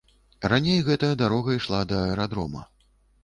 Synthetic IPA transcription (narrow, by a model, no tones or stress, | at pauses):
ranʲejɣɛt̪ɐjɐd̪aɾɔɣɐiʂlˠad̪ɐɛɾad̪ɾɔmɐ̰